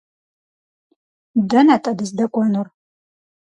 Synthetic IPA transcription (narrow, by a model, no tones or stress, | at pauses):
dɐnatʼɐdɨzdɐkʷʼɔnur